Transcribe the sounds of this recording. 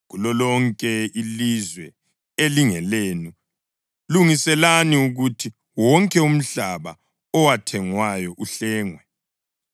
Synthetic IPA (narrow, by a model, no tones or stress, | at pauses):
ɣulɔlɔŋkʼɛilizwɛ | eliŋɛleːnu | luŋisɛlaniuɣutʰi | wɔŋkʼɛum̩ɬaβa̰ | ɔwatʰɛŋwajɔʔuɬɛːŋwɛ